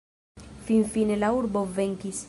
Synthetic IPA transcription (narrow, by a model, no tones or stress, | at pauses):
finfine̞lauɾbo̞ve̞ŋkis